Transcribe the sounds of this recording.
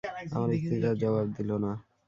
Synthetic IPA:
a̰maɾikt̪id͡ʒad͡ʑɔβab̚d̪ilona

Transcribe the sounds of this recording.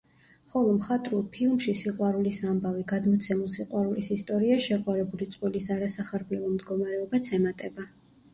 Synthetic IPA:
χɔlˠɔmχat̪ʼɾulˠpʰilˠmʃisiqʼwaɾulisambaviɡad̪mɔt̪sʰɛmulˠsiqʼwaɾulisist̪ʼɔɾiaʃɛqʼwaɾɛbulit̪sʼqʼwilisaɾasaχaɾbiɛlˠɔmd̪ɡɔmaɾɛɔbat̪sʰɛmat̪ʼɛba

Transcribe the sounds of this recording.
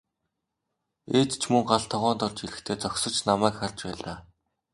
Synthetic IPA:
eːt̪t͡ɕʰmɵŋɢaɮt̪ʰɔʁɔːnt̪ɔrt͡ɕiɾɘ̆xt̪ʰeːt͡sɔksɞ̆t͡ɕnamæːkχarʲt͡ɕpæːɮaː

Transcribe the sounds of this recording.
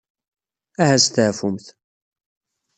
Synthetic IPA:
æhæst̪ʕfʊmθ

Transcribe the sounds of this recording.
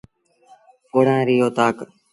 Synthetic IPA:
koːɽãːɾijoːt̪aːk

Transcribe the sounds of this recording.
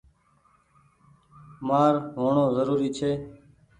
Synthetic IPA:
maːɾɦoːɳõːzəɾuːɾiːt͡ʃʰeː

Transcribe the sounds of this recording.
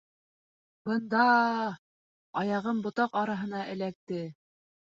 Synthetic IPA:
bɤ̆nd̪ɑ | ɑjɑʁɤmbŏt̪ɑqɑɾɑɦɤ̆nɑʔɘ̆læk̚t̪ɘ

